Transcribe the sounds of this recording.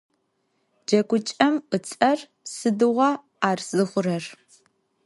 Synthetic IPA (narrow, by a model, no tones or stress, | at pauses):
d͡ʒɐkʷʊt͡ʃʼɐmqət͡sʼɐr | sɨdɨʁʷɐ | aːrz̥ɨχʷʊrɐr